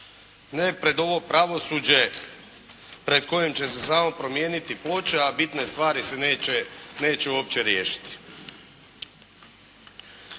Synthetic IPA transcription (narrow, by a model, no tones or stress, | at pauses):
nepɾe̞d̪o̞ʋo̞pɾaʋo̞suːd͡ʑe̞ | pɾe̞d̪̚ko̞jemt͡ɕe̞se̞saːmo̞pɾo̞mje̞ːnit̪iplo̞t͡ɕeabit̪ne̞st̪ʋaːɾisenene̞ːt͡ɕeuoːp̚t͡ɕe̞ɾjeːʃi̥t̪i̥